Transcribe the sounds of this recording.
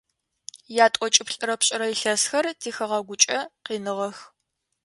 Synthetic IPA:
jaːtʼɔt͡ʃʼɪpɬʼɨɾɐpɕʼɪɾɐjiɬɐsxɐrtʰiːxɨʁɐɡʷʊt͡ʃʼɐqiːnɨʁɐx

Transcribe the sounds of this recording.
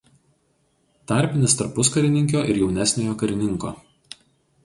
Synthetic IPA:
t̪ɐˑɾʲˑpʲɪnʲɪst̪ɐɾpʊskɐɾʲɪnʲɪŋʲkʲoːʔɪ̰ɾjɛʊnʲæsʲnʲoːjoːkɐɾʲɪnʲɪŋˑko̰ː

